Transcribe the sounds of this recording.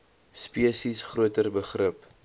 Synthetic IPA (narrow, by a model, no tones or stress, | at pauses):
spiəsisχruətərbəχrəp